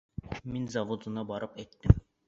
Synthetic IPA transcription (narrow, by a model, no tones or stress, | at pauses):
mɪnzɑvod̪unɑbɑɾɨpɛjt̪ːɪm